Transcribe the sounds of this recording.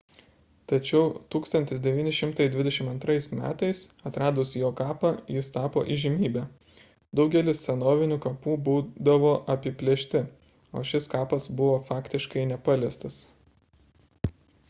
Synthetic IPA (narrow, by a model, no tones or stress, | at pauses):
t̪ɐt͡ʃʲɛʊt̪uːkst̪ɐnʲt̪ʲɪsd̪ʲɛʋʲiːnʲɪʃʲɪmt̪ɐɪd̪ʲʋʲɪd̪ʲɛʃʲɪmɐnt̪ɾɐɪsmʲæ̰ːt̪ɐɪsɐt̪ɾɑːd̪ʊsjoːkɑːpɐjɪst̪ɑːpo̰ːʔiʒʲɪmʲiːbʲæː | d̪ɒʊɡʲɛlʲɪssʲɛnoːʋʲɪnʲuːkɐpuːbuːd̪ɐʋoːʔɐpʲɪpʲlʲeɛʃʲt̪ʲɪ | o̰ːʃʲɪskɑːpɐsbʊʋoːfɑːkt̪ʲɪʃkɐɪnʲɛpɑlʲest̪ɐs